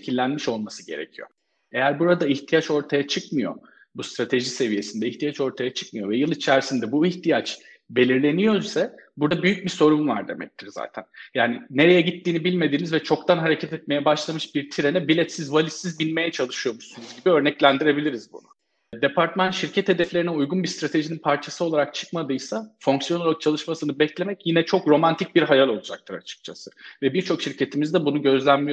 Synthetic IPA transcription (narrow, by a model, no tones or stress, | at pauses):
cʰilʲːænmiʃo̞lˠmasɯ̥ɟe̞̰ɾḛcʰijo̞̰ | e̞jæɾbuɾad̪aiçt̪ʰijat͡ʃo̞ɾt̪ʰajat͡ʃʰɯkmɯjo̞̰ | bust̪ɾat̪ʰe̞ʒise̞vije̞sind̪ɛiçt̪ʰijat͡ʃo̞ɾt̪ʰajat͡ʃʰɯ̥kmɯjo̞vɛjɯlˠit͡ʃʰæɾsind̪ɛbuiçt̪ʰijat͡ʃ | be̞lʲiɾlʲe̞nijo̞ɾsabuɾd̪abyjyc̚biso̞ɾumva̰ɾd̪e̞mɛ̰c̚t̪ʰiɾza̰ːt̪ʰænjaːnine̞ɾe̞jɛɟit̪ʰːiːnibilʲme̞d̪iːnizvɛt͡ʃʰo̞kt̪ʰanɦaɾe̞cʰɛt̪ɛt̪̚me̞jɛbaʃlˠamɯʃbiɾt̪ʰiɾenɛbilʲɛt̪sizvalʲit̪sizbinme̞jɛt͡ʃʰalˠɯʃɯjo̞muʃsunuzɟibiø̞ɾnɛclʲænd̪iɾe̞bilʲiɾizbṵnʊ̰ | d̪e̞pʰaɾt̪manʃiɾcʰɛt̪ʰed̪ɛflʲe̞ɾiniujɡunbist̪ɾat̪ʰe̞ʒininpʰaɾt͡ʃʰasɯo̞lˠaɾak̚t͡ʃʰɯ̥kmad̪ɯjsafo̞ŋksijo̞nok̚t͡ʃʰalˠɯʃmasɯnɯbɛclʲe̞mɛcjinɛt͡ʃʰo̞kɾo̞mant̪ʰic̚biɾɦajalˠo̞lˠud͡ʒa̰k̚t̪ʰɯɾa̰t͡ʃʰɯ̥k̚t͡ʃʰasɯ̥vɛbiɾt͡ʃʰo̞kʃiɾcʰe̞t̪ʰimizd̪ɛbunuɟø̞zlʲænmijo